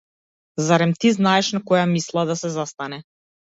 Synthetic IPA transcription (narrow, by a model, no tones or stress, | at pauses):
zaɾɛmt̪iznaɛʃnakɔjamislˠad̪asɛzast̪anɛ